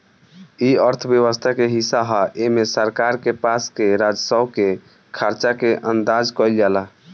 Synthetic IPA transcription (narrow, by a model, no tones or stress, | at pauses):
iəɾt̪ʰəbjəwəst̪ʰakeɦisaɦaʔemesəɾkaɾkepaskeɾad͡ʒsəbke | kʰaɾt͡ʃakeʔənd̪ad͡ʒkɔjld͡ʒala